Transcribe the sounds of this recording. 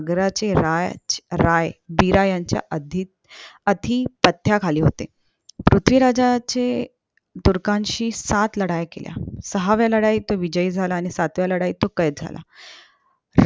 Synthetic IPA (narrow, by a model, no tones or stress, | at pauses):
ɡɾat͡ɕeɾajɾajbiɾajaɲt͡ɕja̰ʔəd̪ʱiːt̪̚ət̪ʰiːpət̪ʰːjakʰaliːɦot̪ḛ | pɾut̪ʰʋiɾad͡zat͡ɕe | t̪uɾkãnɕiːsat̪ləɽajkḛlja̰səɦaʋjaləɽait̪oʋid͡ʑəid͡zʱalaːñisat̪ʋjaləɽait̪okəjd͡zʱa̰lʔa̰